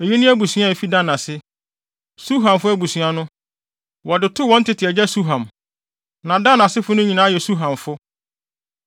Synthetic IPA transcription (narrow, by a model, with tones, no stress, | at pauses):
e˨ji˦nʊ̃˦æ˦bu˨sɥa˦e˨fi˦da˦nã˨sɪ˦ | su˦ɦã˨mfʊ˦æ˦bu˨sɥa˦nʊ̃˦ | wɔ˨dɪ˨tʰʊ˦wɔ̃˦n̩˦tɪ˨tʰɪ˨ɛ˨d͡ʑɛ˦su˦ɦã˨m | nã˨dã˦nã˨sɪ˦fʊ˦nʊ̃˦ɲĩ˨nãː˦jɛ˨su˦ɦã˨ɱfʊ˦